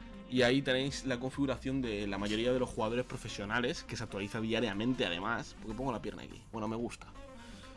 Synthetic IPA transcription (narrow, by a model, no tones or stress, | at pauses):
iait̪enejslako̞ɱfiɣuɾaθjo̞nd̪e̞lamaʝo̞ɾiað̞e̞lo̞sxuɣaðo̞ɾe̞spɾo̞fe̞sjo̞nale̞skes̬ak̚t̪waliθaðiaɾjamẽ̞nt̪e̞a̰ð̞ḛmaspo̞ɾke̞po̞ŋɡolapje̞ɾna̰kḭbwe̞no̞me̞ɣ̞ust̪ḁ